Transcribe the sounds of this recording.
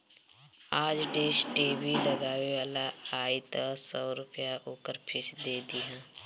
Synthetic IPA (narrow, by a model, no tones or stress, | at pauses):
aːd͡ʒɖeːʃʈeːbʱiləɡaːʋeʋaːlaaːit̪asɔːɾʊpjaʔoːkəɾpʰɪsd̪eːd̪iɦãː